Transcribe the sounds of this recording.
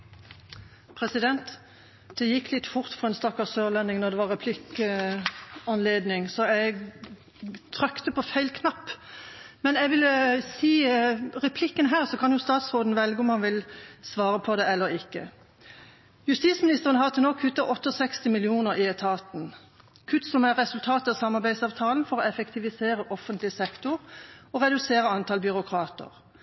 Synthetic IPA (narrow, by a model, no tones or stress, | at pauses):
pʰʁɛsɪd̪ɛnt̪ | d̪̥ɛjɪkːlɪt̪ːfʊʁt̪fɔɛnst̪ɑkːɑsøːʁlɛnɪŋnɔʁd̪ɛʋɑʁːɛpʰlɪk | ɑnleːd̪nɪŋsɔɛɪɡ | t̪ʰɾœkt̪əpʰɔfæɪlkʰnɑpːmɛnɛɪʋɪlsiːʁɛpʰlɪkːənɦæːʁsɔkʰɑnjʊst̪ɑːt̪sʁoːd̪n̩ʋɛlɡəʊmhɑnʋɪlsʋɑːɾəpʰɔd̪ɛɛlːəɾɪkːə̰ | jʉst̪iːt̪smɪnɪst̪əʁənɦɑʁt̪ʰɪlɔkʰːʉt̪ːɑʔɔt̪ːəɔsɛkst̪ɪmɪlɪuːnəʁɪɛt̪ʰɑːt̪n̩ | kʰʉt̪ːsɔmæʁɛsʉlt̪ʰɑːt̪ɑsɑmːɑʁbæɪsɑːʋt̪ʰɑːln̩fɔʁɔɛfɛkt̪ʰɪʋɪseːʁəʔɔfənt̪lɪsɛkt̪ʊɾɔʁɛd̪ʉseːʁəɑnt̪ʰɑːlbʏʁʊkʰʁɑːt̪ə̰ʁ